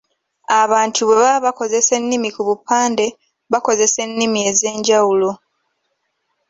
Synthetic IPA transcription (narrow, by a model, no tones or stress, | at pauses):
aβaːntʰuβe̞βaβako̞ze̞se̞nːimikuβupːaːnde̞ | βako̞ze̞se̞nːimie̞ze̞ːɲɟawulo